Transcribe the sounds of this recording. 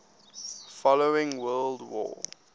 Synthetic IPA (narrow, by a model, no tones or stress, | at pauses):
fɔloʊɪ̃ŋwɜːldwɔ̰ː